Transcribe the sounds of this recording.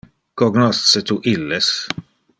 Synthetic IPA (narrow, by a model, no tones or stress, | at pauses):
kɔɡnɔst̪set̪uʔilːes